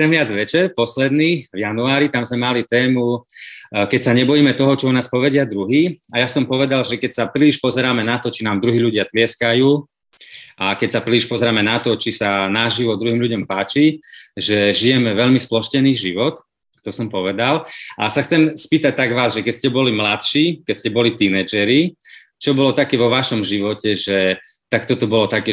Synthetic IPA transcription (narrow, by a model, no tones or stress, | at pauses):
xt͡sɛmʋɪad͡zʋɛt͡ʃɛɾpɔslɛd̪niːvjanuaːɾit̪amzmɛmalit̪ɛːmu | kɛcsaɲɛbɔjiːmɛt̪ɔɦɔt͡ʃɔunaːspɔʋɛɟɪad̪ɾuɦiːajasɔmpɔʋɛd̪alʒɛkɛcsapɾiliʃpɔzɛɾaːmɛnat̪ɔt͡ʃinaːmd̪ɾuɦiːʎuɟɪat̪lɪɛskajuː | ʔakɛcsapɾiliʃpɔzɛɾaːmɛnat̪ɔt͡ʃisanaʒiʋɔd̪ɾuɦiːmʎuɟɔmpaːt͡ʃiʒɛʒijɛmɛʋɛʎmisplɔʃcɛniːɣʒiʋɔt̪ | t̪ɔsɔmpɔʋɛd̪alʔasaxt͡sɛmspiːt̪ac̚t̪aɡʋaːzʒɛkɛcscɛbɔlimlat̪ʃiːkɛcscɛbɔlit̪inɛd͡ʒɛɾi | t͡ʃɔbɔlɔt̪akɛːʋɔʋaʃɔmʒiʋɔcɛʒɛ | t̪akt̪ɔt̪ɔbɔlɔt̪akɛː